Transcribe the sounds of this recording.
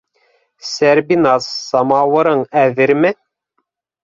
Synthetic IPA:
sæɾbinɑsːɑmɑwɤ̆ɾɤɴæðɘɾmɘ

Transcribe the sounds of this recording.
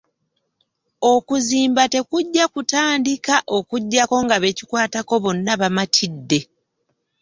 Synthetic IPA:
o̞kuziːmbate̞kuɟːakutaːndikaʔo̞kuɟːako̞ŋɡaβe̞cikwaːtako̞βo̞nːaβamatʰidːe̞

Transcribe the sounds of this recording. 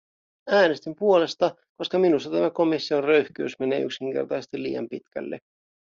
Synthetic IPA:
æːnest̪impuo̞le̞st̪ɑ | ko̞skɑminust̪ɑt̪æmæko̞misːio̞nrøɥhk̟øysmene̞ːy̰ksiŋk̟e̞̰rt̪ɑsest̪ilːḭːjɑ̰mpit̪k̟æ̰lːḛ

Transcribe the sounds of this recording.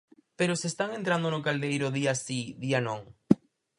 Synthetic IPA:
peɾosest̪aŋent̪ɾand̪onokald̪ejɾoðiasiðianõŋ

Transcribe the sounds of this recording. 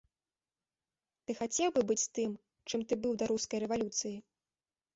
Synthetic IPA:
t̪ɨxat͡sʲɛwbɨbɨt͡sʲst̪ɨm | t͡ʂɨmt̪ɨbɨwd̪ɐɾuskɐjɾɛvalʲut̪sɨji

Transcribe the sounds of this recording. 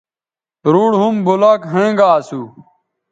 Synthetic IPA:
tɾuɽɦumbolaːkɦẽːŋɡaːsu

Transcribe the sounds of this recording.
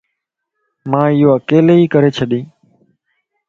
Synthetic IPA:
mãːɪjoːəkeːleːiːkəɾeːt͡ʃʰəɗĩː

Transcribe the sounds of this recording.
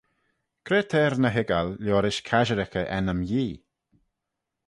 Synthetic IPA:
kʰɾeːt̪ʰɛːɾnəɦɪɡalːjɔːɾɪʃkʰaʒəɾɪkəʔɛnəmjiː

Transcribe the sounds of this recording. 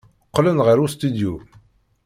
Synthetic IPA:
qːlənʁəɾust̪id̪ju

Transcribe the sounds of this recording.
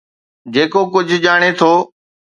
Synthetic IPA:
d͡ʑeːkokʊd͡ʑʱʄaːɽ̃et̪ʰoː

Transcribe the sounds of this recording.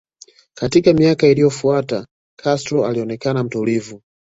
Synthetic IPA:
katikamiakailijɔfuata | kʰastɾɔaliɔnɛkanam̩tulivu

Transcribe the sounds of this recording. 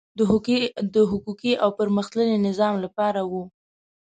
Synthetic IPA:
d̪əɦʊkukiʔawpəɾməxt̪lənenɪzɑmlapɑɾawu

